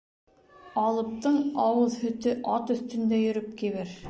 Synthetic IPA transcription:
ɑlˠɤ̆p̚t̪ɤɴɑwɤðhɵ̆t̪ɵʔɑt̪ɵ̆θt̪ɵ̆nd̪æjɵ̆ɾɵp̚kiβɘɾ

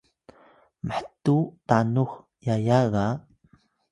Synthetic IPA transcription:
məħtutanux | jajaɣa

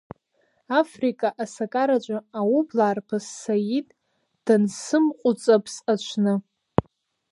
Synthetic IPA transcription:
afrikʼaʔasakʼaɾat͡ʃʷʼaawublaːrpʰasːajitʼ | d̥ansɨmqʷʼʊt͡sʼapʰsat͡ʃʷʰnɨ

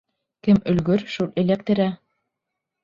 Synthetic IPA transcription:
kɘmɵ̆lɡɵɾʃulˠĕlækt̪ɘ̆ɾæ

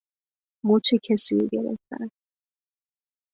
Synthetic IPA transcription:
mot͡ʃʰecʰesiɡḛɾḛft̪æ̰n

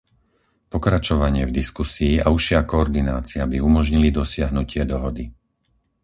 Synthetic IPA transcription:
pɔkɾat͡ʃɔʋaɲɪɛvd̪iskusiːʔauʃɪakɔɔɾd̪inaːt͡siabiumɔʒɲilid̪ɔsɪaɦnucɪɛd̪ɔɦɔd̪i

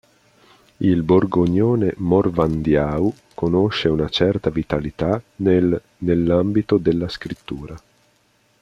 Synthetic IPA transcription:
ilborɡoɲoːnemorvand̪jaːu | konoʃːeunat͡ʃɛrt̪avit̪alit̪an | nelːambit̪od̪elːaskɾit̪ːuːɾa

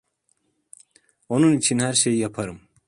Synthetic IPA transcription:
onunit͡ɕʰinɦaɾɕejjɐpʰɐɾm

